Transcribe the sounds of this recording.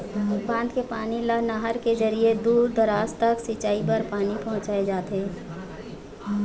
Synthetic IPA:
bãːnd̪kepaːnilanaɦəɾked͡ʒəɾied̪uːɾd̪əɾaːst̪əksit͡ʃaːipɐɾpaːnipɐ̃ɦʊ̃t͡ʃaːed͡ʒaːt̪eː

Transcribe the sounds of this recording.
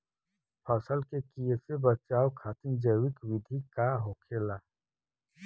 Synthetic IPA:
pʰəsəlkekijəsebət͡ʃaːwkʰaːt̪ɪnd͡ʒəwɪkwɪd̪ʱikaɦoːkʰeːlaː

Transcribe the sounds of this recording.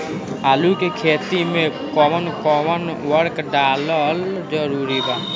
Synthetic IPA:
aːlukekʰeːt̪imẽkɔmənkɔmənwəɾkɖaːləld͡ʒəɾuːɾibaː

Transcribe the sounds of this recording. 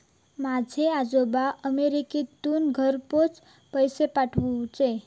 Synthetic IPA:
mad͡zʱead͡ʒobaʔəmeɾikit̪unɡʱəɾpot͡s | pəjsepaʈʰũt͡ʃe

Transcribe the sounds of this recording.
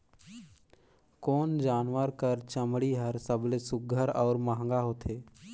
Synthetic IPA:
kɔːnd͡ʒaːnʋəɾkəɾt͡ʃəmɽiɦəɾsəblesʊɡʱəɾɔːɾmaɦə̃ŋɡaɦoːt̪ʰeː

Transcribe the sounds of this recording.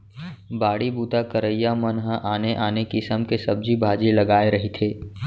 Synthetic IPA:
baːɽibuːt̪akəɾəjːamənɦəʔaːneʔaːnekisəmkesɐb̚d͡ʒibʱaːd͡ʒilɐɡaːeɾɐɦit̪ʰeː

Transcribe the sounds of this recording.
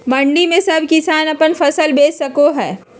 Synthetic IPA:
bɐ̃ɳɖimẽsɐbʱkɪsaːnɐpənfɐsəlbeːɐkoɦɛː

